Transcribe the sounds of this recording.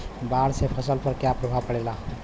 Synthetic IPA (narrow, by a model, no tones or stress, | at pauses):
baɽsepʰəsəlpəɾkjapɾobʱapəɽela